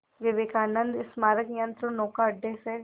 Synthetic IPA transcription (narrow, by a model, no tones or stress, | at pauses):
ʋeʋeːkaːnənd̪ɪsmaːɾəkjə̃nt̪ɾonoːkaəɖːeːseː